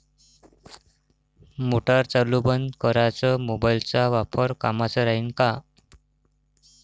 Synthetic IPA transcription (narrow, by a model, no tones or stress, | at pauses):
moʈaɾt͡salːubənd̪kəɾat͡səmobailt͡saʋapʰəɾkamat͡səɾaɦinka